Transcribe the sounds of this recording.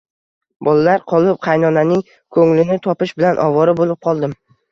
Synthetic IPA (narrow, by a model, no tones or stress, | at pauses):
bɒlalaɾqʰɒlˠɪp̚qʰɑjnɒnanɪŋ | kʰɵŋlɪnɪt̪ʰɒpɪʃbɪlanʔɒ̰vɒɾɪbolˠɪp̚qʰɒlˠd̪ɪm